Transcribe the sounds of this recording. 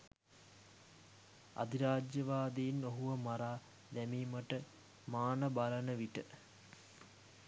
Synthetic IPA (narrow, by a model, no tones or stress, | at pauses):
a̰d̪iɾaːd͡ʒjɐʋaːd̪einoɦuʋəmaɾaː | d̪æmiːməʈə | maːnəbalənəʋiʈə